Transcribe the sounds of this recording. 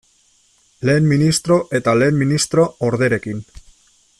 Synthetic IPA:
le̞ːmminist̪ɾo̞ʔe̞t̪ale̞ːmminist̪ɾo̞oɾðe̞ɾe̞kin

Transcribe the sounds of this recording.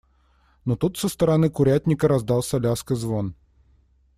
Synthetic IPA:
not̪ut̪səst̪əɾɐnɨkʊɾʲætʲnʲɪkəɾɐzd̪ɑlˠsʲɐlʲaskəzvon

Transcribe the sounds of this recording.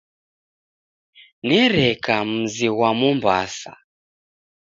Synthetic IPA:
nɛɾɛkam̩ziwamumba̰sa̰

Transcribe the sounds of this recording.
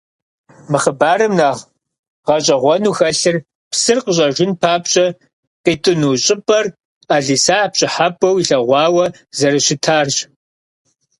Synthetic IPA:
mɨχəbaːɾɨmnaːʁ | ʁɐɕʼɐʁʷɔnuːxɐɬɨr | psɨrqəɕ̬ʼɐʒʊnpʰaːpɕʼɐ | qiːtʼɨnuːɕʼɪpʼɐr | aːɮiːsaːpɕʼɪħapʼːɐwiɬɐʁʷɑːwɐ | zɐɾɨɕɪtʰaːrɕ

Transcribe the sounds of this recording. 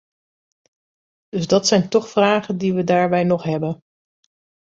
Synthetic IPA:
d̥ɵzdɑtsɛjntɔχfraːχəndiʋədaːɹbɛjnɔχɦɛbən

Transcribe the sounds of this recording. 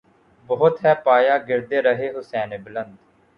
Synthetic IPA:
bəːʊt̪ɦɛːpaːjaːɡɪɾd̪eːɾəɦeːɦʊsɛːneːbələnd̪

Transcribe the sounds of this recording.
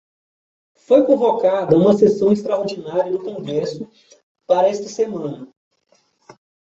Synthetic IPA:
fojkõvokad̪ɐũmɐsesɐ̃w̃est̪ɾɐoɾd͡ʒinaɾiɐd̪ʊkõɡɾɛsʊ | paɾɐɛst̪ɐsemɐ̃nɐ

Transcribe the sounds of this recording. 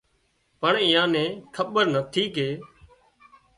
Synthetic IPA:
pəɳɪːãːnẽːkʰəɓəɾnət̪ʰiːkeː

